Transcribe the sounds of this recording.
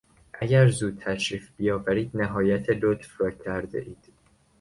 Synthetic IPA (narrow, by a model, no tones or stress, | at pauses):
ʔæɟæɾzuːd̪̚t̪ʰæʃɾiːfb̥ijɒːvæɾiːd̪næɦɒːjæt̪ʰelot̪frɒːcʰæɾd̪ḛʔiːd̪̥